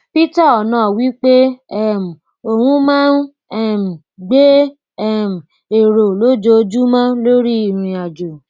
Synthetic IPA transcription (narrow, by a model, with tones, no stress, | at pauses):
pi˦ta˦˨ɔ˨nãː˨˦˨wi˦k͡pe˦ɛ˦˨m̩˨ | o˨hũ˦mã˦n˦ | ɛ˦˨m̩˨ | ɡ͡be˦ | ɛ˦˨m̩˨ | e˨ɾo˨lo˨˦d͡ʒo˧˦d͡ʒu˦mã˦lo˦ɾi˦i˦˨ɾ̃ĩ˨a˨d͡ʒo˨